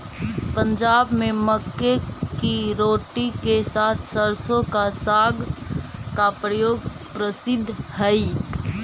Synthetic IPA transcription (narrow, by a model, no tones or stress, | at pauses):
pənd͡ʒaːbmeməkːekiɾoʈikesat̪ʰsəɾsõkasaɡ | kapɾəjoːɡ | pɾəsɪd̪ʱːɦəi